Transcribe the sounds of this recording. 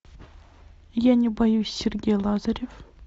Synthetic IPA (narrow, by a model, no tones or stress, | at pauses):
jænʲibɑjusʲerʲɡʲejlˠɑzaɾʲef